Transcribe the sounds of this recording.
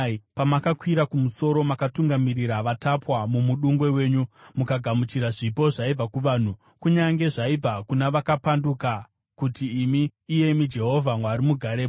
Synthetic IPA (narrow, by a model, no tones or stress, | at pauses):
pamakakwiɾakumuso̞ɾo̞makatuŋɡamiriɾaʋatapwamumuɗuŋɡwe̞we̞ːɲumukaɡʱamut͡ʃiɾaʐipo̞ʐaib͡vakuʋaːn̤u | kuɲaŋɡe̞ʐaib͡vakunaʋakapanduka | kutiːmiːje̞mid͡ʒe̞ɦo̞vʱamwaɾimuɡʱaɾe